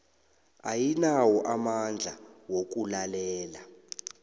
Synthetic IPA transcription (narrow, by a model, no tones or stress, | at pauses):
ajinawɔʔamand͡ɮʱawok̬ulalɛːla